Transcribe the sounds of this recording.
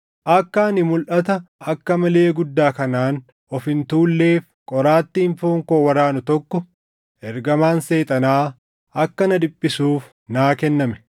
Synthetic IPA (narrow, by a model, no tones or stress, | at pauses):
ʔɐkːaːnɪmʊlʔɐt̪ɐɐkːɐmɐleːɡʊd̪ːaːkɐnaːn | ɔfɪnt̪uːlːe̞ːf | kʼɔɾaːt̪ːiːnfoːŋkoːwɐɾaːnʊt̪ɔkːɔ | ʔɛɾɡɐmaːnse̞ːt̪ʼɐnaː | ɐkːɐnɐd̪ɪpʼːɪsuːf | naːkɛnːɐmɛ̥